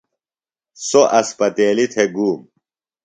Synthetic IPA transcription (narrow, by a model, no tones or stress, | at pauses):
soʔɐspɐt̪eːlit̪ʰeɡuːm